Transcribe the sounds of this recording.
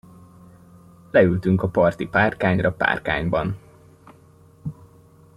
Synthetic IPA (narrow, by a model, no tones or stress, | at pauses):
lɛylt̪yŋkɒpɒrt̪ipaːrkaːɲrɒpa̰ːrka̰ːɲbɒn